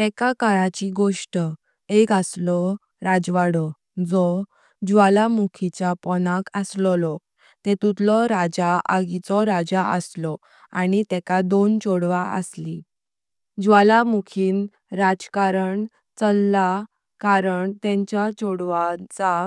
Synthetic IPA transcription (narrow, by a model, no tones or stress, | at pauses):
ɛkakaɾat͡ɕiɡoʂʈ | ekaslɔ | ɾad͡zʋaɽɔ | d͡zɔ | d͡ʑuʋalamukʰit͡ɕapɔnakəslɔlɔ | t̪ɛ̃t̪ut̪lɔɾad͡ʑaaɡit͡sɔɾad͡zaʔə̰slɔ | anit̪ɛkad̪ont͡ɕɔɽʋaʔə̰sli | d͡ʑʋalamukʰiːn | ɾad͡zkaɾəɳ | t͡səlːa | kaɾəɳt̪ɛ̃ɲt͡ɕat͡ɕɔɽʋat͡sa